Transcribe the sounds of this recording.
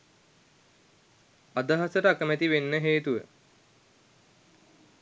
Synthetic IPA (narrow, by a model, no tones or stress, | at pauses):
ad̪əɦasəʈəakəmæt̪iʋenːəɦeːt̪uʋə̰